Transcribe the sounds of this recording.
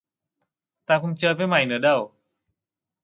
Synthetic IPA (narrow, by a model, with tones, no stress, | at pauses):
t̪aː˧xə˧wŋ͡mt͡ɕəː˧jvəː˨˥˦jma˨˩jnɨ˨˧˦əɗə˧w